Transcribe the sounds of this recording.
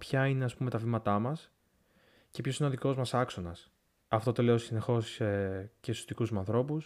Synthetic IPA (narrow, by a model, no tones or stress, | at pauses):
pçɐine̞ɐspume̞t̪ɐvimɐt̪ɐmɐs | ce̞pço̞sineo̞ðiko̞zmɐsɐkso̞nɐs | ɐft̪o̞t̪o̞le̞o̞sine̞xo̞scesot̪ikuzmeɐnθɾo̞pus